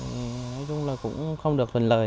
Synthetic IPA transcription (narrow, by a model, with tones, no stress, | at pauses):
nɔ˨˦jt͡ɕʊ˧ŋ͡mlaː˨˩kʊ̰˧˥ŋ͡mxə˧wŋ͡mɗɨ˨˩ək̪̚ʰï˨˩ŋ̟lə̰ː˨˩